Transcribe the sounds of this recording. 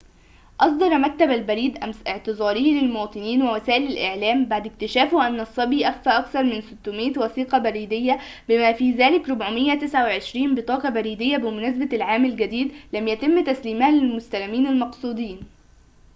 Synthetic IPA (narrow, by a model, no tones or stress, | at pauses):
ʔɑsˤd̪ˤɑɾˤmæk̚t̪æbælbæɾiːd̪ʔæmsʔɪʕt̪ɨzˤɑːɾˤɪhlɪlmowɑːt̪ˤɨniːnwæwæsæːʔɪlælʔɪʕlæːmbaʕd̪ɪk̚t̪ɪʃæːfʊʔænːɑsˤːɑbiːʔæfːæːʔɑkθɑɾˤmɪnsʊt̪ːʊmiːt̪wæθiːqɑbæɾiːd̪ɪjːæbɪmæːfiːzæːlɪkɾʊbʕʊmɪjːæt̪ɪsʕawʕeʃɾiːmbɨt̪ˤɑːqɑbæɾiːd̪ɪjːæbɪmʊnæːs̬bælʕaːmælɡæd̪iːd̪læmjæt̪ɪmːt̪æsliːmhælɪlmʊst̪ælæmiːnalmɑqsˤuːd̪ˤiːn